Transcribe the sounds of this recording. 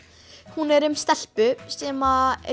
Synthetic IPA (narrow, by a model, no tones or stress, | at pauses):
hunɛɾʏmst̪ɛl̥pʏsɛːmaɛ̰